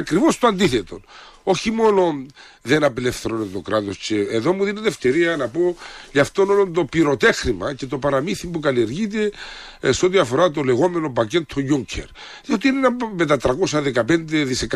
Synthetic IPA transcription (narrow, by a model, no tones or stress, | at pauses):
kɾivo̞st̪oand̪iθet̪o̞̰n | o̞çimo̞no̞n | ðe̞nɐpilefθeɾonet̪o̞kɾat̪osceːðo̞muðineðeft̪eɾiɐnɐpo̞ʝɐft̪o̞nolont̪o̞piɾo̞t̪e̞xɾimɐce̞t̪o̞paɾamiθimbukalieɾʝit̪̬e̞ | seot̪iɐfo̞ɾat̪o̞le̞ɣo̞me̞nopace̞t̪ʰoʝuɲcʰḛɾ | ðiot̪inenɐmet̪ɐt̪ɾɐko̞sɐðekɐpe̞nd̪eðisek